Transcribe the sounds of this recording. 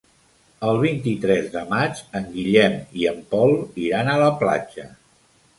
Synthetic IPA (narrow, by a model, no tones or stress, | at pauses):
əlˠβ̞int̪it̪ɾɛzðəmat͡ʃəŋɡiʎɛmiəmpɔlˠiɾanələpla̰d͡ʒə